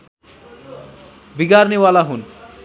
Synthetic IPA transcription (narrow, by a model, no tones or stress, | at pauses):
biɡaɾniwalaɦun